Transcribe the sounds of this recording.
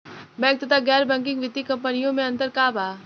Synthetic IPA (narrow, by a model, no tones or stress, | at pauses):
bɛ̃ːk̚t̪ət̪aɡɛːɾbɛ̃ŋkɪ̃ŋɡʋɪt̪ːikɐ̃mpənijõmẽɐ̃nt̪əɾkaːbaː